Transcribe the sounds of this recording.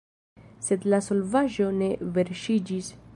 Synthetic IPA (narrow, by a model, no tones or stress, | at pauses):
se̞d̪laso̞lvaʒo̞ne̞ve̞ɾʃid͡ʒis